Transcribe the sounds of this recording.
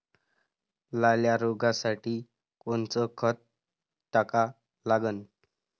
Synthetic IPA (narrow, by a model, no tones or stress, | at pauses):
laljaɾoɡasaʈiː | koɳt͡səkʰət̪ | tːaka | laɡən